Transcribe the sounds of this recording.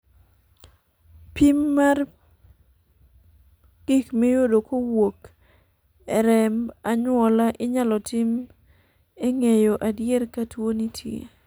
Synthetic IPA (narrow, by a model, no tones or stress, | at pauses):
pimːar | ɡ̥ikmejodokowok | ɛɾɛmaɲwɔlaʔɪɲalɔtim | eŋejoʔadjɛrkatwonitʰjḛ